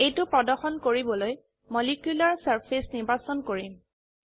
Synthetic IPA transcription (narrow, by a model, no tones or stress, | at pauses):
ejtʊpɹɔdɔxɔnkoɹibɔloj | mɔlikjulaɹsaɹpʰisnibʱasɔnkoɹim